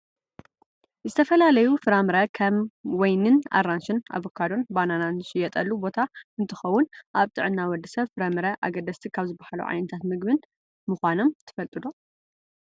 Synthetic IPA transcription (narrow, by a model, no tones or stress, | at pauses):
zɨt̪ʰɐfɐlalɐjufɨɾamɨɾɐkʰɐmwɔjnɨna̰rːanʃɨna̰βokʰad̪o̞nbanananʃɪjːɛt̪ʼɐlːubo̞t̪ʰaɨnt̪ʰɨxɐwːʊnʔaβt̪ʼɨ̰ʕɨnːawɔd̪ɨsɐβfɨɾɐmɨɾɐʔa̰ɡɐd̪ɐst̪ʰikʰaβzɨbahalṵʕa̰jnɐt̪ʰat̪mɨɡbɨn | mɨxʷano̞mt̪ʰɨ̥fɐlt̪ʼɨd̪o̞